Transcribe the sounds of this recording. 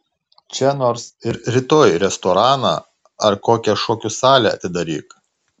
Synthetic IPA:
t͡ʃʲɛnoːɾsɪɾɾʲɪt̪oːjɾʲɛst̪ɔɾɑːnɑ̰ | ɐɾkoːkʲɛʃoːkʲuːsɑːlʲɛɐ̰t̪ʲɪd̪ɐɾʲḭːk

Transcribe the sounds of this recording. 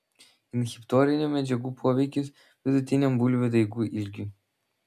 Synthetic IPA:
ɪnxʲɪpt̪ɔːɾʲɪnʲuːmʲɛd͡ʒʲɛɡuːpʰoːʋʲɛɪkʲʊs | ʋʲɪd̪ʊt̪ʲɪnʲɛmbuːlʲʋʲɪd̪ɐɪɡuːʔɪlʲɡʲu

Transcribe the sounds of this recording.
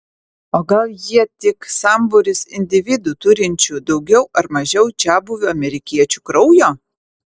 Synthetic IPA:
oːɡɐlˠjiɛt̪ʲɪksɑˑmbʊɾʲɪsɪnʲd̪ʲɪʋʲɪd̪uːt̪ʊɾʲɪnʲt͡ʃʲud̪ɒʊɡʲɛʊʔɐɾmɐʒʲɛʊd͡ʒʲæːbʊʋʲʊɐmʲɛɾʲɪkʲiɛt͡ʃʲukɾɔʊjoː

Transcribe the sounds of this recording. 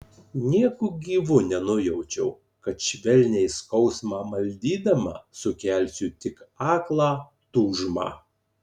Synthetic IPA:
nʲiɛkʊɡʲiːʋʊnʲɛnʊjɛʊt͡ʃʲɛʊ | kɐt̪ʃʲʋʲɛlʲnʲɛɪskɒʊsmɑːmɐlʲd̪ʲiːd̪ɐmɑ̰ːsʊkʲæˑlʲsʲʊt̪ʲɪkɑːklˠɑː | t̪uːʒmɑ̰ː

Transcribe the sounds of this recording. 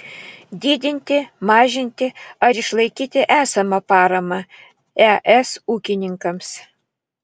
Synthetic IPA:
d̪ʲiːd̪ʲɪnʲt̪ʲɪmɑːʒʲɪnʲt̪ʲɪɐɾɪʃlˠɐɪkʲiːt̪ʲɪʔæːsɐmɐpɑːɾɐmɐ | ɛʔɛsuːkʲɪnʲɪŋkɐms

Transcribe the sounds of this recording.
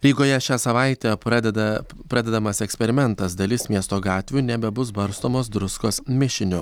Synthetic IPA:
ɾʲiːɡoːjɛʃʲæːsɐʋɑˑɪt̪ʲeːpɐd̪ʲɛd̪ɐ | pɾɐd̪ʲɛd̪ɐmɐsɛksʲpʲɛɾʲɪmʲɛnt̪ɐsd̪ɐlʲɪsmʲiɛst̪oːɡɑːt̪ʲʋʲuːnʲɛbʲɛbʊs̬bɐɾst̪oːmoːsd̪ɾʊskoːsmʲɪʃʲɪnʲʊ

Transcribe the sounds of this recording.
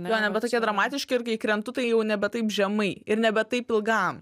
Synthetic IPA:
joːnʲɛbʲɛt̪oːkʲɛd̪ɾɐmɑːt̪ʲɪʃʲkʲɪɪɾkɐɪkɾʲɛnt̪ʊt̪ɐɪjɛʊnʲɛbʲɛt̪ɐɪpʒʲɛmɐɪɪɾnʲɛbʲɛt̪ɐɪpɪlˠɡɐm

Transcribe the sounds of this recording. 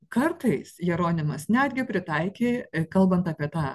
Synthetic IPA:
kɐɾt̪ɐɪsjɛɾoːnʲɪmɐsnʲæːd̪ʲɡʲɪpʲɾʲɪt̪ɐɪkʲeːkɐlˠbɐnt̪ɐpʲiɛt̪ɑː

